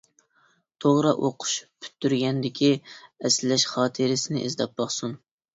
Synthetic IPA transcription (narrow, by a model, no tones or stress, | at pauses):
t̪ʰoʁɾɑʔoqʰʊ̥ʃpʰy̥t̪ʰːyɾɡʲɛnd̪ɪkʲʰiɛslɛʃχɑːt̪ʰɨɾɪsɪnɪʔḭzd̪ɑp̚bɑχsun